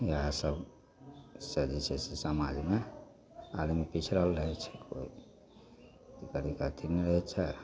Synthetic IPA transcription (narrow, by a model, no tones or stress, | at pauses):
jəɦãsəb | səd͡ʒit͡ʃʰɛsesəma̰d͡ʒʱme | almepit͡ʃʰɾəlɾəɦɛt͡ʃʰɛ̥kʰo̰i | t̪ikəɾikat̪ʰinɾəɦɛt͡ʃʰɛ